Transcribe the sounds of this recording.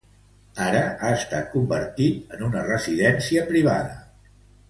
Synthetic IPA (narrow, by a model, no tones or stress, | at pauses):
aɾəaəst̪a̰t̪̚kumbəɾt̪it̪ənunərəziðɛnsiəpɾiβ̞a̰ðə̰